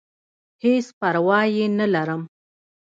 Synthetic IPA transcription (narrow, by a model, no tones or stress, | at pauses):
hespaɾwɑjenalaɾəm